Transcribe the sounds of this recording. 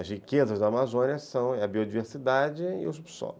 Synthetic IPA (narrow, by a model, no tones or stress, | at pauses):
ɐzhikezɐzd̪ɐːmazõniɐsɐ̃w̃ɐbiod͡ʒiveɾsid̪ad͡ʒɪɪ̰ʊs̬ubso̰lʊ